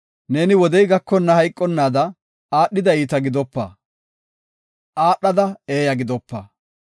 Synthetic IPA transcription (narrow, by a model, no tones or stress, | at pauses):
ne̞ːnɪwɔd̪ɛjɡɐkːɔnːɐhɐjkʼːɔnːaːd̪ɐ | aːɗːɪd̪ɐiːt̪ɐɡɪd̪ɔpːɐ̰ | ʔaːɗːɐd̪ɐeːjɐɡɪd̪ɔpːɐ